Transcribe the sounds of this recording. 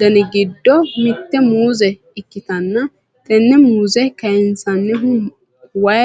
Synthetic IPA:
d̪ɐnɛɡɪd̪ːɔmɪt̪ːɛmuːzɛ | ɪkːɪt̪ɐnːɐ | t̪ɛnːɛmuːzɛkɐjɛnsɐnːɛɦʊ | wɐj

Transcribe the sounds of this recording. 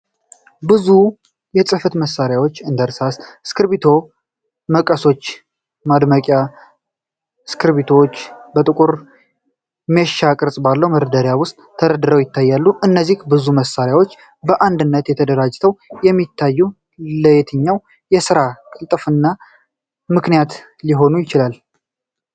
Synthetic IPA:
bɨzu | jɛsʼɨfət̪məsːaɾjawo̞t͡ʃːɨnd̪əɾsasskʰɨɾβit̪ʰo̞ | məkʼəso̞t͡ʃː | mad̪məkʼja | skʰɨɾβit̪ʰot͡ʃːbət̪ʼɨkʼuɾ | mɛʃakʼɨɾsʼbalːəwməɾəd̪əɾjawʊst̪ʼʰːəɾəd̪ɨɾəwjɪt̪ʰːajːalːuɨnːəzːihbɨzuməsːaɾjawo̞t͡ʃː | bəʔand̪ɨnːət̪jɛt̪ʰəd̪əɾad͡ʒːt̪ʰəwjɛmːit̪ʰːajːu | ləjɛt̪ʰɨɲːaw | jɛsɨɾakʼɨlt̪ʼfɨnːa | mɨknijat̪ | liɦo̞nujɪt͡ʃɪlal

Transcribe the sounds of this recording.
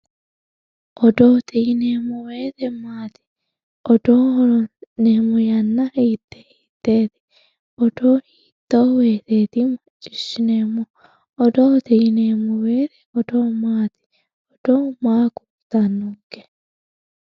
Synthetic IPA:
ʔɔd̪oːt̪ʰɛjɪneːmɔweːt̪ɛmaːt̪ɪ̥ | ʔɔd̪oːɾɔneːmɔjɐnːɐhit̪ːɛ̥iːt̪ːeːt̪ɪ̥ | ɔd̪oːhiːt̪ːoːweːt̪eːt̪imɐt͡ʃʼːɪ̥ʃɪnemɔ | ɔd̪oːt̪ɛjɪnemɔweːt̪ɛ̥ɔd̪omaːt̪ɪ̥ | ɔd̪̥oːmaːkʊ̥ | t̪ɐnːʊɡɛ̥

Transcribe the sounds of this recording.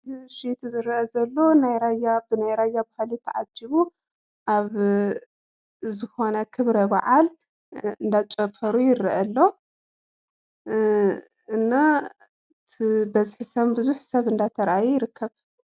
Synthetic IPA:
ʃit̪zɨɾʔɐzɐlːo̞najɾajabɨnajɾajːabahlit̪ʰːɐʕad͡ʒiβu | ʔaβ | zɨxo̞nɐkʰɨβɾɐba̰ʕal | ɨnd̪at͡ʃʼɐfʰɐɾujɪrʔɐlːo̞ | ɨnːa | t̪ʰbɐzħisɐmbɨzuħsɐβɨnd̪at̪ʰɐɾʔajujɪɾɨkːɐβ

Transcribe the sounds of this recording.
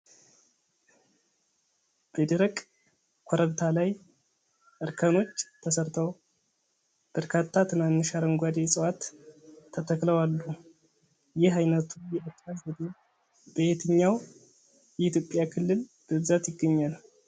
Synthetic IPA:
b̥əd̪əɾəkʼ | kʷʰoɾəβt̪ʰalaj | ʔɨɾkʰəno̞t͡ʃːt̪ʰəsəɾt̪ʰəw | b̥əɾkʰat̪ʰːat̪ʰɨmanːɨʃaɾəŋɡʷad̪esʼəwat̪ʰː | ət̪ʰəkləwalːu | jɪɦajnət̪ʰujɛʔət̪ːazəd̪e | bəjet̪ʰɨɲːaw | jɛit̪jopʼːjakʰɨlːɨl | b̥əbɨzat̪jɪɡːəɲːal

